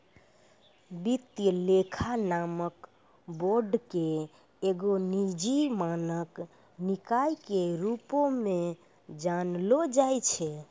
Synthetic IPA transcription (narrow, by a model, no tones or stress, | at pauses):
bit̪jəlekʰanamək | boɾɖkeː | ɡonid͡ʒimanək | nikajkeɾupome | d͡ʒanlod͡ʒajt͡ʃʰɛ